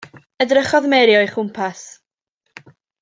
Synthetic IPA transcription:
ədrəχɔðmɛɾjɔjχʊmpʰas

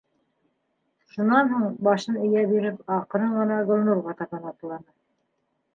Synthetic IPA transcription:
ʃunɑnɦuɴbɑʃɤnɘ̆jæbiɾɘpɑqɤ̆ɾɤɴɢɤ̆nɑɡŏlnuɾʁɑt̪ɑβɑnɑplˠɑnɤ

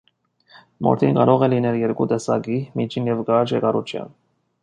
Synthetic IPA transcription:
mʔɔ̰ɾt̪ʰinkɑɾɔʁɛlinɛljɛɾkut̪ɛsɑ̰ɡimit͡ʃʰinjɛvɡɑt͡ʃɛkɑɾṵt͡ʃʰjɑ̰n

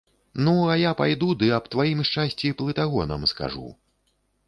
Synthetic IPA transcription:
nuɐjapajd̪ud̪ɨɐpt̪vajimʂt͡ʂasʲt͡sʲiplˠɨt̪aɣɔnɐ̰mska̰ʐṵ

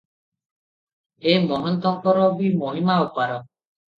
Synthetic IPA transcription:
emɔɦɔnt̪ɔŋpɔɾɔbimoɦimaupaɾɔ

